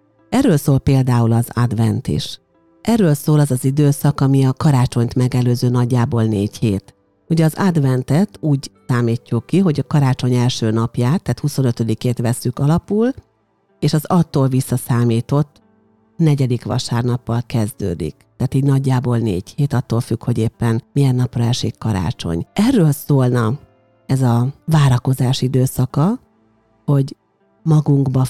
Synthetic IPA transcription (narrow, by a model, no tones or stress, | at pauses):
ɛrːøːlsoːlpeːld̪aːulɒza̰d̪ʋɛnt̪ḭʃ | ʔɛrːøːlsoːlɒzɒzid̪øːsɒkɒmiɒkɒɾaːt͡ʃo̞ɲt̪mɛɡɛløːzøːnɒɟːaːboːlneːcheːt̪ | uɟɛɒzad̪vɛnt̪ɛt̪uːɟsaːmiːcːukːiɦo̞ɟɒkɒɾaːt͡ʃo̞ɲɛlʃøːnɒpjaːt̪ːaːt̪huso̞nøt̪ø̞d̪ikeːt̪ʋɛsːykɒlɒpul | eːʃɒzɒt̪ːoːlvisːɒsaːmiːt̪o̞t̪ː | nɛɟɛd̪ikʋɒ̰ʃaːrnɒpːɒlkɛzd̪ø̰ːd̪ḭkt̪aːt̪iːɟnɒɟːaːboːlnḛːɟheːt̪ɒt̪ːoːlfykho̞ɟeːpːɛnmijɛnːɒprɒɛʃikːɒɾa̰ːt͡ʃo̞̰ɲɛrːøːlsoːlnɒ | ɛzɒvaːɾɒko̞zaːʃid̪øːsɒkɒ | ho̞ɟ | mɒɡuŋɡbɒ